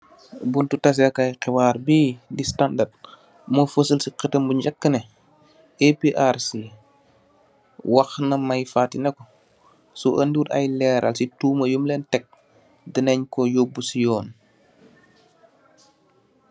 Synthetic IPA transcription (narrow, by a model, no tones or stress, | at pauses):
buntutɐs̬ɐkɐjqɛwaːɾbiːdistandad̚ | mofəsəlsiqətɐmbuɲɟɐkːənɛ | epiʔaɾsi | wɐxnɐmɐjfaːtinɐkɔ | suʔəndiudɐ̰jlɛɾʔɐ̰lsituːmɐjumlɛːntɛk̚ | dinɛɲkɔjobːusijɔːn